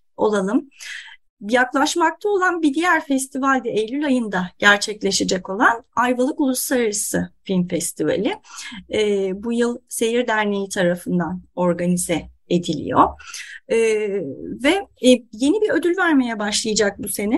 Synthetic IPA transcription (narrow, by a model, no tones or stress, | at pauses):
o̞̰lˠalˠɯm | jaklˠaʃmak̚t̪ʰao̞lˠanbid̪ijæɾfɛst̪ʰivalʲd̪ɛejlʲylʲajɯnd̪aɟ̥æɾt͡ʃʰɛclʲe̞ʃed͡ʒɛko̞lˠanajvalˠɯkulˠuslˠaɾaɾɯsɯfilʲmfɛst̪ʰiva̰lʲɪː | bujɯlˠse̞jiɾd̪æɾne̞jit̪ʰaɾafɯnd̪ano̞ɾɡanizɛed̪ilʲḭjo̰ː | vɛje̞nibiø̞d̪ylʲvæɾme̞jɛbaʃlˠajad͡ʒak̚buse̞ni